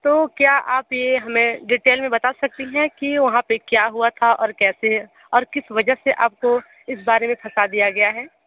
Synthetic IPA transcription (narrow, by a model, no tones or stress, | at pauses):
t̪oːkjaːʔaːpjeɦɐmẽɖiːʈeːlmẽbɐt̪asɐk̚t̪iɦɛ̃kiʋɐɦãpekjaːɦuat̪ʰaʔɔ̰ːɾkɛːse | ɔːɾkɪsʋɐd͡ʒəɦseʔa̰ːp̚ko | ɪsbaːɾemẽpʰɐsad̪ijaɡɐjaɦɛː